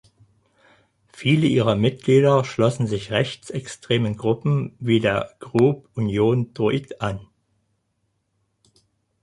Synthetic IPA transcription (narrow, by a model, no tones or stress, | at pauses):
fiːləʔiːʁɐmɪt̚ɡ̥liːɾɐʃlɔsn̩zɪçʁɛçt͡sɛkstʁ̥eːmənɡʁʊpm̩viːdeːɐɡ̥ʁuːpʔunjoːndʁoitʔan